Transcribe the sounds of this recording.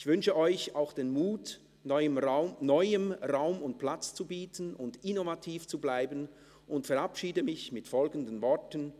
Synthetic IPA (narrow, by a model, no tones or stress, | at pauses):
ʔɪçv̥ʏnʃəʔɔʏçaʊxd̥eːnmuːt | nɔʏəmʁaʊnɔʏəmʁaʊmʊnt̚pʰl̥at͡st͡subiːtʰənʊndɪnovatʰiːft͡sublaɪbən | ʔʊntfɛʁapʃiːdəmɪçmɪtfɔlɡən̩dənvɔɐtən̩